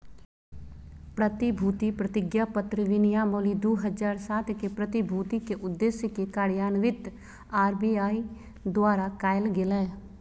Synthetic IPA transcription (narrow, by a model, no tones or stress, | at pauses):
pɾət̪ibʱuːt̪ipɾət̪ɪɡjapət̪ɾəʋɪnɪjamoːlid̪uːɦəd͡ʒaːɾsaːt̪ʰkepɾət̪ibʱuːt̪ikeʔʊd̪ːeːsjəkekaːɽjaːnʋɪt̪ | aːɾbiːaːi | d̪waːɾakaːɪlɡɪlɛ